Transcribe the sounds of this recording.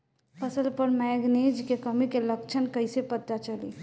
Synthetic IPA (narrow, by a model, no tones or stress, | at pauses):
pʰəsəlpəɾmɛːɡned͡ʒkekəmikeləkt͡ʃʰənkəɪsepət̪ːat͡ʃəlḭ